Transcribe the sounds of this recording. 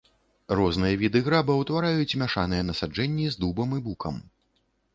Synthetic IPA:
rɔznɨjɐvʲid̪ɨɣɾabɐwt̪vaɾajut͡sʲmʲaʂanɨjɛnɐsad͡ʐɛnʲːizd̪ubɐmɨbukɐm

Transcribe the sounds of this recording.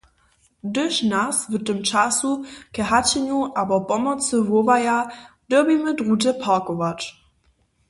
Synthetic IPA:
dɵʃnasvətəmt͡ʃasukɛɦat͡ɕɛɲuʔabɔpɔmɔt͡səvovaja | d̥ɛbimədʁut̬ɛpʰaːkɔvat

